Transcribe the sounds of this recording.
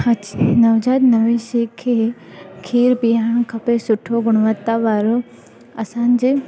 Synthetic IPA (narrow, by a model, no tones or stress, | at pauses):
hɐt͡ʃnɐʋd͡ʑaːd̪nɐʋẽʃiːkʰːeːkʰiːɾbiɦaːɳ̃kʰɐpesʊʈʰoɡʊɽ̃ʋət̪ːaʋaːɾo | ɐsãːnd͡ʑe